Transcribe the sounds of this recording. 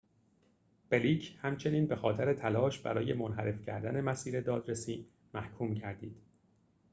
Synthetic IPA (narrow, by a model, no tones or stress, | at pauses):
b̥e̞liːcʰhæmt͡ʃʰe̞niːnbe̞xɒːt̪ʰeɾet̪ʰælɒːʃbæ̰ɾɒːje̞monɦæɾe̞fcʰæ̰ɾd̪æne̞mæsiːɾed̪ɒːd̪ɾesiː | mæhkʰuːmcʰæɾd̪iːd̪̥